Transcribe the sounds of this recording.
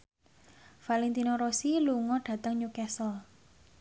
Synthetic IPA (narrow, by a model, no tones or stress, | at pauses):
falɛnt̪inɔɾosiluŋɔɖ̥a̤t̪əŋɲukɛsɔl